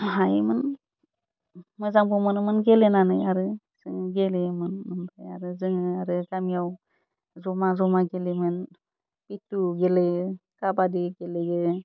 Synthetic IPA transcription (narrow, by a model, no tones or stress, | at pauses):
ɦajmɯn | mɯzaŋbɔmɯnɯmɯnɡelenanɯjaɾɯ | sɯŋɡelemɯnmɯnbʰaja̰ɾɯzɯŋɯaɾɯɡamijaw | zɔmazɔmaɡelemɯn | pituɡelekabadiɡeleɡɯ